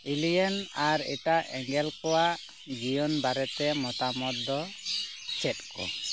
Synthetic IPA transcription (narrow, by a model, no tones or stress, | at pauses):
ilijɛnaɾɛ̰ʈaʔɛŋɡɛlkɔwa | d͡ʒijɔnbaɾɛt̪ɛmɔt̪amɔt̪ːɔ | t͡ʃɛtkɔ̰